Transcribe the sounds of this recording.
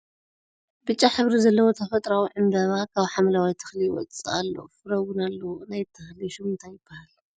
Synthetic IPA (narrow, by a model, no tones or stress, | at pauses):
bɨt͡ʃʼːaħɨβɾizɐlːɐwo̞t̪ʰɐfɐt̪ʼɾawiʕɨnd̪ɐβakʰaβħamlawajt̪ʰɨ̥xliwɔ̰t͡st͡sʼɨalːo̰fɨɾɐwunalːɐwnajt̪ʰːɨxliʃumɨnt̪ʰajːɪb̥ːahal